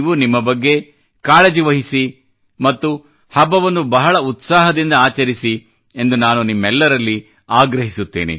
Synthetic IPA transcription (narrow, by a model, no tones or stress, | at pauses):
ʋunimːɐbɐɡːe̞ | kaːɭɐd͡ʒiʋɐɦisi | mɐt̪ːu | hɐbɐʋɐnːubɐɦɐɭɐut̪saːɦɐd̪ind̪ɐaːt͡ʃɐɾisi | e̞nd̪unaːnunimːɛlːɐɾɐlːi | aːɡɾɐɦisut̪ːeːnḛ